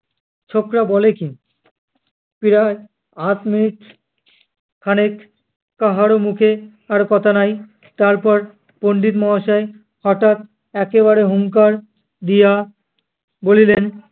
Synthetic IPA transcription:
t͡ɕʰokɾabɔleki | piɾa | at̪miniʈ | kʰanek | kaɦaɾomukʰe | aɾkɔt̪ʰanaj | t̪aɾpɔɾ | poɳɖit̪mɔɦaʃae | hɔʈat̪̚ | ɛkeβaɾeɦuŋkaɾ | d̪ija | bolilen

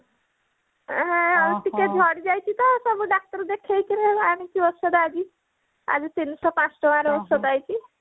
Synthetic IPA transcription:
ɦɛ̃ʌɾt̪iked͡ʒʱɔɽid͡ʒajt͡ʃʰit̪ɔsʌbuɖak̚ʈəɾd̪ekʰejk̪ʰiɾeamikiɔsɔd̪ad͡ʒi | a̰d͡ʒt̪inːisɔpãt͡ʃʈɔwaɾosɔd̪ajt͡ʃʰi

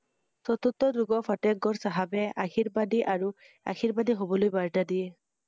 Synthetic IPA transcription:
sɔt̪ut̪ːɔduɡɔfʰatɛɡ̚ɡɔɹsaɦabɛaxiɹbadiʔaɹu | a̰xiɹbadiɦobɔlojbaɹtadiɛ

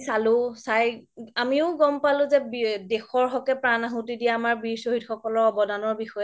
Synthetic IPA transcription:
salʊ̃sajamiʊɡɔmpalʊ̃zɛbdɛxɔɹɦɔkɛpɹanaɦʊ̃tidijaamaɹbiɹsoɦitxɔkɔlɔɹɔbɔdanɔɹbixɔjɛ

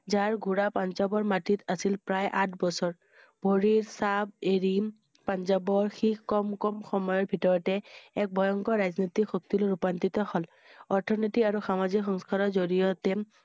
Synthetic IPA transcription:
zaɹɡʱuɹapanzabɔɹmatitasilpɹajʔatʰbɔsɔɹ | bʱoɹiɹsab̚eɹi | panzabɔɹxixkɔmkɔmxɔmɔjɔɹbʱitɔɹɔtɛɛk̚bʱɔjɔŋkɔɹaznit̪ikxok̚t̪iloɹupant̪it̪ɔhɔl | ɔɹtʰɔnitiaɹuxamazikxɔŋskaɹɔzoɹijɔtɛ

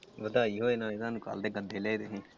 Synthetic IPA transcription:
ʋəd̪aːiːɦoːenãːɪd̪ãːnuka̰ːld̪eːɡəd̪ʱːeːlɛːd̪eːɦẽː

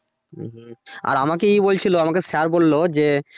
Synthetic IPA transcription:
ɦ̩a̰ɾamakeijbolt͡ɕʰiloamakesaɾbolːod͡ʑe

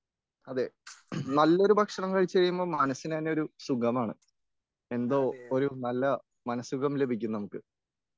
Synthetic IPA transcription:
ɐðenɐlːo̞ɾubʱɐkʂɐɳɐmkɐɻit͡ɕːɨkɐjumbo̞ːɭmɐnɐsːinɐneo̞ɾusuɡɐmaːɳɨ̰ | e̞nd̪o̞ːoɾunɐlːɐ | mɐnɐsuɡɐmle̞bʱikʲːunːɐnɐmukːɨ

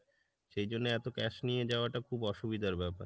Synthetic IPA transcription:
ʃejd͡ʑonːeɛt̪okɛʃnijed͡ʑaoaʈakʰubɔʃubid̪ʱaɾbɛpa̰ɾ

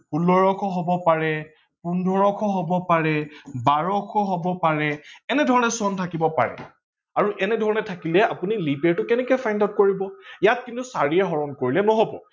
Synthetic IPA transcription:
pulɔɹɔkʰɔɦobɔpaɹɛ | pundʱɔɹɔkʰɔɦobɔpaɹɛbaɹɔkʰɔɦobɔpaɹɛɛnɛdʱɔɹɔnɛsɔntʰakibɔpa̰ɹɛ̰ | aɹuʔɛnɛdʱɔɹɔnɛtʰakilɛapunilipeɹtʊkɛnɛkɔjpʰajndawt̚koɹibɔjat̚kintusaɹiɛɦɔɹɔnkoɹilɛnɔɦobɔ̰

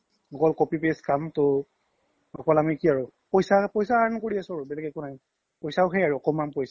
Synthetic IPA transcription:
ɔkɔlkopipeskamtʊ | ɔkɔlamikiaɹupojsapojsaankoɹiasɔɹʊbɛlɛkɛkunai | pojsaʊxejaɹuɔkɔmanpojsa

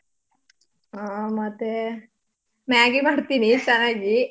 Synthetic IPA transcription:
amɐt̪ːe | mjaːɡimaːɽt̪iːnit͡ʃɛnːaːɡi

